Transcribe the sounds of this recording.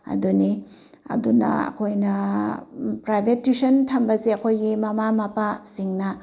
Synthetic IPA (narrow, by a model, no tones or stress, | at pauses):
ɐ̰duni | ɐ̰dunɐ̰ɐ̰kʰojnɐ | pɾajbʱetːisɐntʰɐmbɐzeɐkʰojɡimɐmamapasiŋnɐ